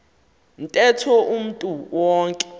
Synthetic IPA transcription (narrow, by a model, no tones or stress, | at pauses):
ntʼɛtʰɔʔum̩tʼuwɔːŋkʼɛ̥